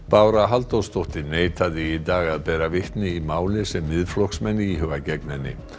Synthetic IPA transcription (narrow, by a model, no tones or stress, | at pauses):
paːwɾaɦalt̪ost̪owht̪ɪneːjt̪ʰaðɪit̪aːɣaðpɛːɾavɪht̪nɪimaːwlɪsɛmːɪðflɔksmɛnːɪiɦʏvacɛknɛnːɪ̰